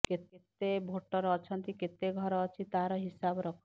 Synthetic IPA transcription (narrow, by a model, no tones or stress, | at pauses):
keet̪ebʱoʈɔɾːt͡ʃʰɔnt̪iket̪eɡʱɔɾɔːt͡ʃʰit̪aɾɔɦisabɾɔkʰ